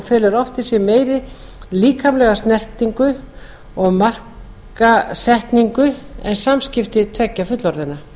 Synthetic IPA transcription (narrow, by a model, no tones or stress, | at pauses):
fɛːlʏɾɔft̪ɪsjɛmeːjɾɪ | liːkʰamlɛɣast̪nɛr̥t̪iŋkʏ | ɔɣmar̥k | asɛht̪niŋkʏɛ̰nsamscɪft̪ɪt̪ʰvɛcːafʏt̪lɔɾðɪna